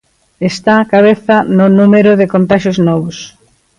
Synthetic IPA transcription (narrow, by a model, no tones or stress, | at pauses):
est̪aːkaβeθɐnʊnumeɾʊðekont̪aʃoznɔβ̞ʊs